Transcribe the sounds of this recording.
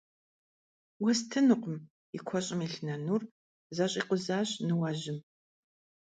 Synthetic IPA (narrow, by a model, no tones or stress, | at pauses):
wɐstʰɨnɨqʷʊm | ikʷʰɔɕʼɪmiɬnɐnur | zɐɕʼiːqʷʼʊzaːɕnɨwɐʑɪm